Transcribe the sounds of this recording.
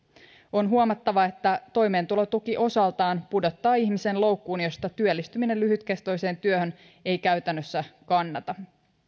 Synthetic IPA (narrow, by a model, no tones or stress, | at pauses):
o̞nɦuomɑt̪ːɑʋɑe̞t̪ːæt̪o̞jme̞ːnt̪ulo̞t̪ukiʔo̞sɑlt̪ɑːnpudo̞t̪ːɑːiçmisenlo̞wkːuːnjo̞st̪ɑt̪yølːist̪yminelyɦyt̪kest̪o̞jse̞ːnt̪yøhø̞n | e̞jkæɥt̪ænːøsːækɑnːɑt̪ɑ